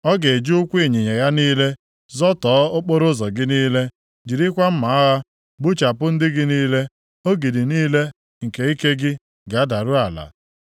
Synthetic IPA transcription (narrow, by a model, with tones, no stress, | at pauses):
ɔ˦ɡe˨d͡ʒu˦ʊ˦kʷi˦˨ɲi˨ɲe˨ja˦niː˦le˦ | zɔ˦tɔː˨˦o˦k͡po˦ɾʊ˦zɔ˨ɡɪ˦niː˦le˦ | d͡ʒi˨ɾi˦kʷa˦m̩˦ma˨a˦ɣa˦ | ɡ͡bu˦t͡ʃa˨pʊ˦n̩˦dɪ˦ɡɪ˦niː˦le˦ | o˦ɡi˨di˨niː˦le˦ | ŋ̩˨ke˨i˦ke˦ɡɪ˦ | ɡa˨a˦da˨ɾʊ˦a˨la̰˨